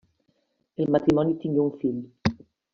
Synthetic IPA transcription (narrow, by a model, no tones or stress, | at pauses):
elmat̪ɾimɔnjut̪iŋɡuuɱfiʎu